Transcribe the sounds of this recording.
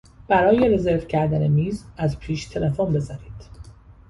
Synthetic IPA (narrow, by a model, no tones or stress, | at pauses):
b̥æɾɒːje̞ɾe̞zeɾvcʰæɾd̪æne̞miːzæzpʰiːʃt̪ʰe̞lefonbe̞zæniːd̪̥